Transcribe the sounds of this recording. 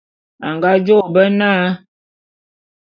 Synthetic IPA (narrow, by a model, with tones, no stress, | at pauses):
a˨ŋɡa˦d͡ʒo˦˨bə˦naː˦